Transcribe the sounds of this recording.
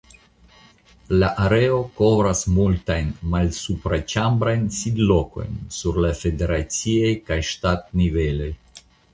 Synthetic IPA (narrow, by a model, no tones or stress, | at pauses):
laʔaɾeo̞ko̞vɾasmultajnmalsupɾat͡ʃambɾajnsidlo̞ko̞̰jnsuɾlafe̞de̞ɾat͡siejkajʃtat̚nive̞lo̞j